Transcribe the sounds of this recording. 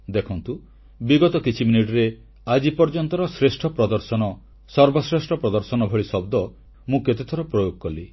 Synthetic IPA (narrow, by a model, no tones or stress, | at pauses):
d̪ekʰɔnt̪u | biɡɔt̪ɔkit͡ʃʰiminiʈɾe | ad͡ʒipɔɾd͡ʒɔnt̪ɔɾɔsɾesʈʰɔpɾɔd̪ɔɾsɔnɔ | sɔɾbɔsɾesʈʰɔpɾɔd̪ɔɾsɔnɔbʱɔɭisɔbd̪ɔ | mũket̪et̪ʰɔɾɔpɾɔjoɡ̚kɔli